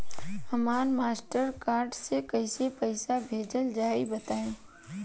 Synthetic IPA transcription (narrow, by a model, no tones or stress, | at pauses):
əmaːnmaːsʈəɾkaːɾɖsekəɪsepəɪsabʱeːd͡ʒəld͡ʒaːibət̪aːẽː